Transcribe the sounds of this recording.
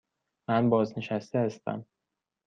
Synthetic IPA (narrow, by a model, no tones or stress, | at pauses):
mænbɒːzneʃæst̪ehæst̪æ̰m